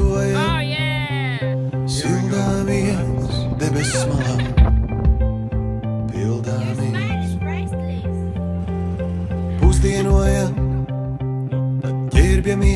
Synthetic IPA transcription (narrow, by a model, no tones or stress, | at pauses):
uɔja | silˠd̪aːvi | d̪ɛbɛsmaa | pilˠd̪aːvi | puzd̪iɛnuɔja | ɟʲɛɾbʲjami